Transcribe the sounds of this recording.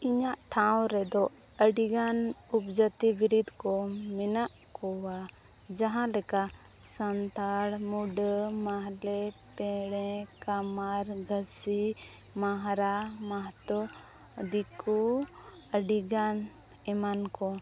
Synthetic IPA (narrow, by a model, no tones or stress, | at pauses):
iɲaʔʈʰawɾɛd̪ɔ | əɖiɡan | upd͡ʒət̪ibiɾid̪kɔmɛnaʔkɔwa | d͡ʒaɦãlɛka | sənt̪aɽmuɖəmaɦlɛ | pɛɽɛ̃kamaɾɡəsi | maɦɾamaɦt̪ɔ | d̪iku | əɖiɡan | ɛmankɔ